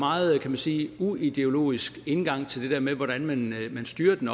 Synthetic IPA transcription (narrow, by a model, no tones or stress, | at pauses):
mɑ̈ːð̩ˠkʰæmænsiːuid̥e̝o̝lo̝̰ːisɡ̥e̝nɡ̥ɑ̈ŋ̰t͡sʰe̝ld̥e̝d̥eɐmeʋɒɾ̥ænmænmænsd̥yːɐd̥enɒ